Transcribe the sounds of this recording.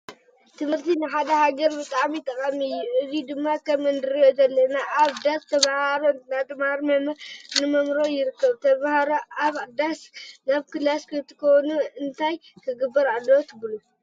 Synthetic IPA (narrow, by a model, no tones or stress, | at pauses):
t̪ʰɨmhɨɾt̪ʰinɨħad̪ɐhaɡɐɾbɨt̪ʼaʕmit̪ʼɐkʼɐmɨjːuɨzid̪ɨmːakʰɐmɨnd̪ɨɾjozɐlːɐnaʔaβd̪ast̪ʰɐβahaɾonat̪ɨmaɾmɐmnɨmɐmɾo̞jɪɾɨkːɐβt̪ʰɐβahaɾoʔaβd̪asnaβkʰɨlaskʰɨt̪ʰɨ̥kʰonuɨnt̪ʰajk̪ʰɨɡɨbːɐɾʕalːot̪ʰɨbɨlu